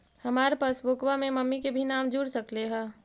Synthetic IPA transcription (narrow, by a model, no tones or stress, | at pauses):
hɐmaːɾepaːsbʊkʋamẽmɐmːikebʱinaːmd͡ʒuɽsɐkleɦɛː